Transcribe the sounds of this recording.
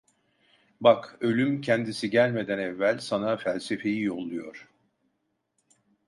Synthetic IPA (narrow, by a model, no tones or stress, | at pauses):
bakø̞lʲymcʰɛnd̪isiɟælʲme̞d̪ænɛvːælʲsanafælʲse̞fe̞jijolˠujoɾ̥